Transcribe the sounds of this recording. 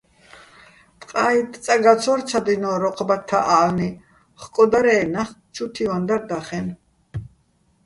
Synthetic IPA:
t̪ʼqʼait̪ʼt͡s̪ʼaɡat͡sʰɔɾt͡sʰad̪inɔːɾɔqʼbat̪ʰːaʔalni | χkʼɔd̪aɾɛːnaχt͡ʃʰut̪ʰivand̪aɾd̪aχɛn

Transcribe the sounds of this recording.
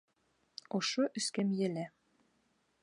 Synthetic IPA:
ŏʃoʔɵ̆skæmjæ̆læ

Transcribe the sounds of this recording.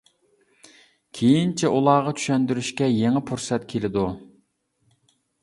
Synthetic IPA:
kʲʰejint͡ʃʰiʔulˠɑʁɑt͡ʃʰy̥ʃɛnd̪yɾyʃkʲɛjeŋɪpʰuɾsɛt̪kʲʰelɪd̪u

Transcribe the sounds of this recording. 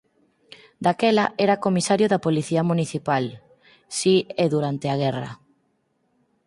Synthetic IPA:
d̪akɛlaʔɛɾakomisaɾjʊðapoliθiɐmuniθipal | sieðuɾant̪eaɣ̞ɛrɐ̰

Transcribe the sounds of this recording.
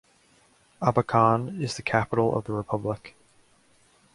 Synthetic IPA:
ɑbəkʰɑ̃nɪzðɨkʰæpəɾl̩ˠʌ̰vðəɹɨpʰʌblək

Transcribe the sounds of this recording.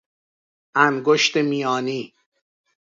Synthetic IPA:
ʔænɡoʃt̪emiːjɒːniː

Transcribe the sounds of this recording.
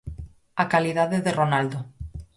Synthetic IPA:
akaliðaðeðeronald̪o

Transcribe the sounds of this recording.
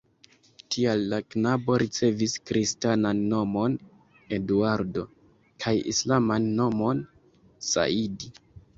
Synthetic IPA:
tʰialːaknabo̞ɾʔit͡se̞viskɾistananːo̞mo̞n | e̞duaɾdo̞ | kʰajḭslamanːo̞mo̞n | sa̰idi

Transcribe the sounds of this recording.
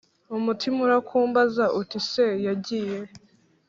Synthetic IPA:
umutʰimuɾakʰuːmbazaʔutisejaɟiːje

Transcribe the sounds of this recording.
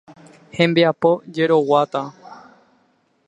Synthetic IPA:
hẽ̞mbeapo̞d͡ʒe̞ɾo̞wat̪a

